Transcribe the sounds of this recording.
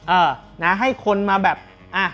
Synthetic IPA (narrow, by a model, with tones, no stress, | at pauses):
ʔɤː˧˩ | na˦˥ɦa˥˩jkʰo˧nmaː˧bɛː˨˩p̚ | ʔaː˧˩